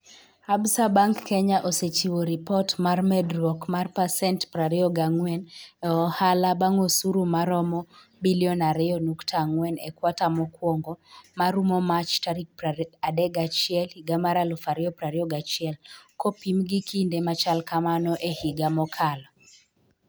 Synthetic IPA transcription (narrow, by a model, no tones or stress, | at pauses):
absabaŋkːɛɲaʔoset͡ʃiwɔɾipɔtmarmɛdɾɔkmarpasɛntpɾaɾɪɔɡaŋwɛnɔhalabaŋosuɾumaɾɔmɔ | biliɔnaɾɪɔnuktʰaŋwɛnɛkwatamɔkwɔŋɡɔmaɾumɔmat͡ʃtaɾik̚padɛɡat͡ʃɪɛlhiɡamaɾalɔfaɾɪɔpɾaɾɪɔɡat͡ʃɪɛlkopimɡikʰindemat͡ʃalkamanɔʔehiɡamɔkʰalɔ